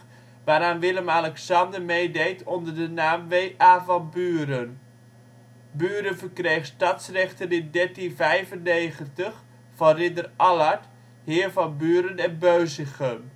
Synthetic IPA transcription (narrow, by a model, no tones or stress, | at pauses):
ʋaːɾaːnʋɪləmalɛksɑndəɹmejdejtʰɔndəɹdənaːmʋejʔaːvɑnbyːɾən | byːɾənvəɹkrejχstɑtsrɛχtənɪndɛɹtinvɛjvənːejχəntəχ | fɑnrɪndərʔɑlaɹt | ɦɪːɹvɑnbyːɾənɛnbøɥzəχən